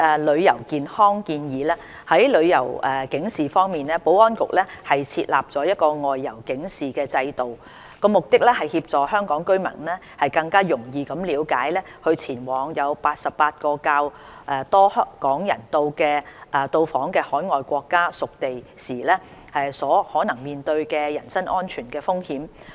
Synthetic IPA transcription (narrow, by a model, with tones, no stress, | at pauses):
ʔɛː˨lɵ˨˧ɥjɐ˨˩wkiː˨nhɔː˥ŋkiː˧njiː˨˥lɛː˥ | hɐ˨˥jlɵ˨˧ɥjɐ˨˩wɛː˨kɪ˨˥ŋsiː˨fɔː˥ŋmiː˨˩nlɛː˥po˨˥wɔː˥nkʊ̰˨k̚lɛ˥hɐ˨jt͡sʰiː˧t̚la̰ː˨p̚t͡sɔː˨˧˥jɐ˥t̚kɔː˧ŋɔː˨jːɐ˨˩wkɪ˨˥ŋsiː˨kɛː˧t͡sɐ˧jt̪o˨w | kɔː˧mʊ˨k̚t̪ɪ˥k̚lɛː˥hɐ˨jhiː˧p̚t͡sɔː˨hœː˥ŋkɔː˨˥ŋkɵ˥ɥmɐ̰˨˩nnɛː˥ | hɐ˨jkɐ˧ŋkaː˥jʊ˨˩ŋjiː˨˧kɐ˨˥mliː˨˧wkaː˨˥jlɛ˥hɵ˧ɥt͡sʰiː˨˩nwɔː˨˧ŋjɐ˨˧wpaː˧t̚sɐ˨ppaː˧t̚kɔː˧kaː˧w | ʔɛː˨˩t̪ɔː˥hkɔː˨˥ŋjɐ̰˨˩nt̪o˧wkɛː˧ʔɛː˨t̪o˧wfɔː˨˥ŋkɛː˧hɔː˨˥jŋɔː˨jkʷɔː˧kːaː˥sʊ˨k̚t̪e˨jsiː˨˩lɛ˥hɛ˨˩jsɔː˨˥hɔː˨˥nɐ˨˩ŋmiː˨nt̪ɵ˧ɥkɛː˧jɐ˨˩nsɐ˥nʔɔː˥nt͡ʃʰyː˨˩nkɛː˧fʊ˥ŋhiː˨˥m